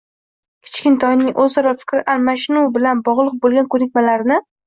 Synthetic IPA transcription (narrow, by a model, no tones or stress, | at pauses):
kʲʰɪ̥t͡ʃkʲɪnt̪ʰɒjnɪŋʔɵzɒɾɒfɪ̥kʲɾɪʔalmaʃnubɪlanbɒʁlˠɨq̚bolˠɡʲankʰɵnɪkʲmalaɾnɪ